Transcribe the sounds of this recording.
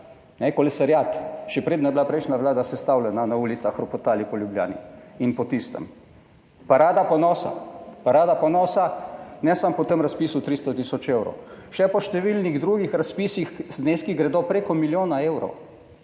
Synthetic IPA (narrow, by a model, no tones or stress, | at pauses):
nɛkɔlɛsaɾjaːt̪ʃɛpɾeːd̪nɔjɛblapɾɛjʃnaʋlaːd̪asɛst̪awlɛnanauːlit̪saxɾɔpɔt̪aːlipɔljublja̰ːnḭinpɔt̪ist̪ə̰m | paɾaːd̪apɔnɔːsa̰paɾaːd̪apɔnɔːsanɛsampɔt̪əmɾaspiːsut̪ɾist̪ɔt̪isɔt͡ʃewɾɔ̰wʃɛpɔʃt̪ɛʋilniɣd̪ɾuːɡixɾaspiːsixzneskiɡɾɛd̪opɾekɔmiljoːnaewɾɔ̰w